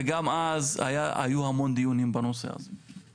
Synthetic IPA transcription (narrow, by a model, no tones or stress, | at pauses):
eɡamaza̰jaa̰juhamo̞nd̪ijunimbano̞se̞̰a̰ze